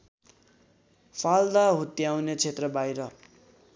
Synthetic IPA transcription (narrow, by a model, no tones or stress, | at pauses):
fʰald̪aɦut̪jawnet͡sʰet̪rʌbajɾʌ